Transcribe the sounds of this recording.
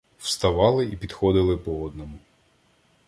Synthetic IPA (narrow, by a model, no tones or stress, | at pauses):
w̥st̪ɐʋɑlˠɪipʲid̪xɔd̪ɪlˠɪpɔɔd̪nɔmʊ